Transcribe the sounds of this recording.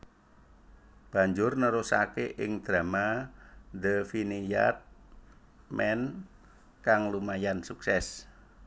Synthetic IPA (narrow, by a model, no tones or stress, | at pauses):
b̥a̤ɲd͡ʒʊrnəɾusa̰keʔɪŋd̪̥ɾa̤ma | d̪əfinija̰t̪̚ | mɛn | kaŋlumajansuksɛs